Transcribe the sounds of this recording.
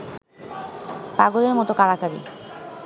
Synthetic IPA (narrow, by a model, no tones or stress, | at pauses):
paɡoleɾmɔt̪okaɽakabḭ